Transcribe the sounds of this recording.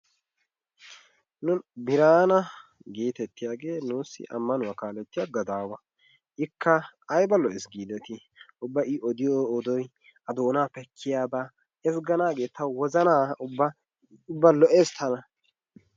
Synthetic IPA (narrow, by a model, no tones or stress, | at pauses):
nʊnbɪɾaːnɐ | ɡiːt̪ɛt̪ːɪjaːɡe̞ːnuːsːɪ̰ʔɐ̰mːɐnʊwɐkaːlɛt̪ːɪjaɡɐd̪aːwɐ | ʔɪkːɐːjbɐlɔʔɛsɡiːd̪ɛt̪ɪ | ʔʊbːɐɪʔɔd̪ɪjoːd̪ɔj | ɐd̪oːnaːpɛkʰːɪjaːbaː | ɛs̬ɡɐnaːɡe̞ːt̪ːɐwwɔzɐnaːʊbːɐ | ʊbːɐlɔʔe̞ːst̪ɐnɐ